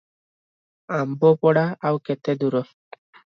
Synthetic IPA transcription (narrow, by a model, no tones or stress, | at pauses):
ambɔpɔɽaawket̪ed̪uɾɔ